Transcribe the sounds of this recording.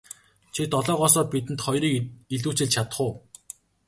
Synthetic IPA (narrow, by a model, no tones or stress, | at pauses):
t͡ɕʰit̪ɔɮɔːʁɔsɔːpit̪ɘ̆nt̪χɔjriːkiɮuːt͡ɕɘ̆ɮt͡ɕʰat̪ə̥̆χʊː